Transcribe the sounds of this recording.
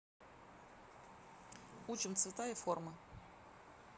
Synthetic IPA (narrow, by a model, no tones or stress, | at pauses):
ut͡ʃɪmt̪svʲɪt̪ajəformə